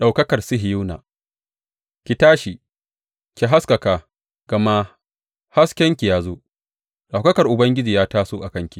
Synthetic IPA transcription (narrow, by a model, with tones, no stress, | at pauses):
ɗa˨wkɐ˦kɐ˨rsɪ˦ɦɪ˨ju˦na̰ː˨ | kʲi˨taː˦ʃi˨ | kʲi˨ɦa˦skɐ˨kaː˨ | ɡ̥ɐ˨ma˦ | ha˦skʲɛ˦ŋkʲi˨jaː˦zoː˦ | ɗa˨wkɐ˦kɐ˨rʔʊ˨bɐ˦ŋɡʲɪ˦d͡ʒiː˨jaː˦taː˦soː˦ʔa˨kɐ˦ŋkʲi˨